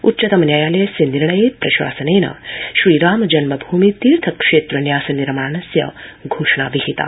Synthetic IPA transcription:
utːt͡ʃɐt̪ɐmɐnjaːjaːlɐjɐsjɐniɾɳɐjeːpɾɐʃwa̰ːsɐneːnɐ̰ʃɾiːɾaːmɐd͡ʒɐnmɐbʱuːmit̪iːɾt̪ʰɐkʂeːt̪ɾɐnjaːsɐniɾɐmaːnɐsjɐ̰ɡʱoːʂɳaːʋiɦit̪a̰ː

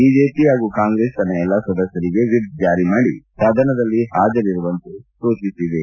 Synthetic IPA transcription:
bid͡ʒeːpiɦaːɡukaːŋɡɾeːsɐnɐjɛlːɐsɐd̪ɐsjɐɾiɡe̞ʋiɾd̪d͡ʒaːɾimaːɽisaːd̪ʱɐnɐd̪ɐlːiɦaːd͡ʒɐɾiɾuʋɐnt̪ut̪oːt͡ʃisid̪e

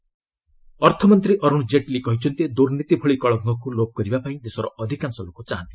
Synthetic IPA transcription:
ɔɾt̪ʰɔmɔnt̪ɾiʔɔɾuɽ̃d͡ʒeʈlikɔɦit͡ʃʰɔnt̪id̪uɾnit̪ibʱɔɭikɔɭɔŋɡɔkulob̚kɔɾibapaĩd̪esɔɾɔʔɔd̪ʱikansɔlokut͡ʃaɦant̪i

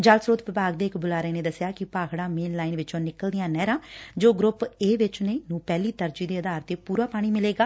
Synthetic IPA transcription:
d͡ʒalsɾoːt̪ʋɪbaːɡ̚d̪eːɪkbʊlaːɾeːneːd̪əsjaːkɪpaːkʰɽãːmeːnlaːinʋɪt͡ʃõːnɪkəld̪ɪjãːnɛːɾãːd͡ʒoːɡɾʊpeːʋɪt͡ʃneːnũːpɛːliːt̪əɾd͡ʒiːd̪eːəd̪aːɾt̪eːpuːɾaːpaːɽ̃iːmɪleːɡaː

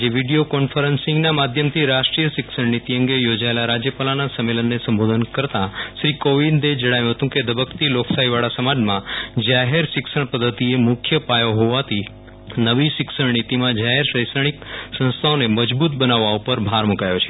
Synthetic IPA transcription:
d͡ʒeʋiɖijokɔnfəɾənsɪ̃ŋɡnamad̪ʱjəmt̪ʰiɾaʃʈɾijəʃɪksəɳnit̪iəŋɡejod͡ʒaelaɾad͡ʒjəpalanasəmːelənːesəmbod̪ʱənkəɾt̪aʃɾikoʋind̪ed͡ʒəɽ̃ajũɦət̪ũked̪əbəkt̪iloksaiʋaɭasəmad͡ʒmãd͡ʒaɦeɾʃɪksəɳpəd̪ʱːət̪iemʊkʰjəpajoɦoʋat̪ʰi | nəʋiʃɪksəɳɳit̪imãd͡ʒaɦeɾʃəjsəɽ̃iksə̃ñst̪ʰaoneməd͡ʒbut̪̚bənaʋːaupəɾbʱaɾmukajot͡ʃʰe̥

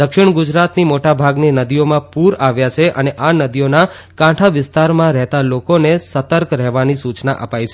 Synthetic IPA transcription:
d̪əkʃɪɳɡud͡ʒɾat̪nimoʈabʱaɡnenəd̪ijomãpuɾaʋjat͡ʃʰeʔəneʔanəd̪iona | kãʈʰaʋɪst̪aɾmãɾɛɦt̪alokonesət̪əɾkɾɛɦʋanisut͡ʃnaʔə̰pajt͡ʃʰ

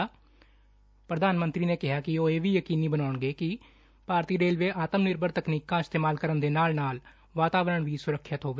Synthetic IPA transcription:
pɾəd̪aːnmənt̪ɾiːneːkɪɦaːkɪoːeːʋiːjəkiːniːbənaːɳɡeːkɪ | paːɾt̪iːɾeːlʋeːʔaːt̪əmnɪɾbəɾt̪əkniːkãːɪst̪eːmaːlkəɾənd̪eːnaːlnaːl | ʋaːt̪aːʋɾəɳʋiːsʊɾəkʰːjət̪ɦoːʋeː

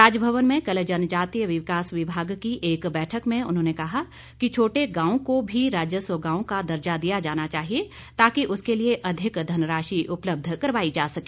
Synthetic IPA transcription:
ɾaːd͡ʒəbʱɐəʋənmẽkɐld͡ʒɐnd͡ʒaːt̪iːjəʋɪʋkaːsʋɪbʱaːɡkiʔeːkbɛːʈʰəkmẽʊ̰nɦõːnekɐɦa | kit͡ʃʰoːʈeɡãːõkobʱiɾaːd͡ʒjəsəɡãːõkad̪ɐɾd͡ʒad̪ijad͡ʒaːnat͡ʃaːɦie | t̪aːkiʔʊskelieʔɐd̪ʱɪkd̪ʱɐnɾaːʃiʔʊpləb̚d̪ʱkɐɾʋaːid͡ʒaːsɐke̥ː

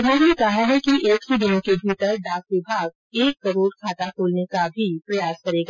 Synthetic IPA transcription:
banekaɦaɦɛkiʔeːksid̪ɪnkebʱiːt̪əɾɖaːkʋɪbʱaːɡ | eːkːɐɾoːɾkʰaːt̪akʰoːlnekabʱipɾɐjaːskɐɾeːɡa

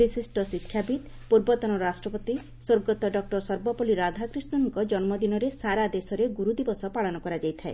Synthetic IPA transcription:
bisisʈɔsikʰːjabit̪ | puɾbɔt̪ɔnɔɾasʈɾɔpɔt̪i | soɾɡɔt̪ɔɖɔk̚ʈɔɾsɔɾbɔpɔliɾad̪ʱakɾisnɔnuŋkɔd͡ʒɔnmɔd̪inɔɾesaɾad̪esɔɾeɡuɾud̪ibɔsɔpaɭɔnɔkɔɾad͡ʒajt̪ʰae

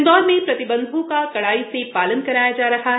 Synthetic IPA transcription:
d̪ɔːɾmẽpɾɐt̪ɪbə̃nd̪ʱõkakɐɽaːisepaːlənkɐɾaːjad͡ʒaːɾɐɦaɦ

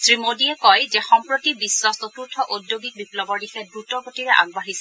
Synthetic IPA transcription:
sɹimodiɛkɔjzɛxɔmpɹotibisːɔstɔtuɹtʰɔʔodjoɡik̚biplɔbɔɹdixɛbɹutɔɡotiɹɛʔa̰ɡ̚baɦisɛ

